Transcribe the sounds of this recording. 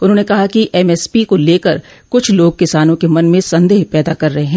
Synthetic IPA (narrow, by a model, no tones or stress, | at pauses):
ʊnɦõːnekɐɦakiʔɛmɛːspikoleːkəɾ | kʊt͡ʃʰloːɡ̚kɪsaːnõkemɐnmẽsɐ̃nd̪eːɦpɛːd̪akɐɾːɐɦeɦɛ̃ː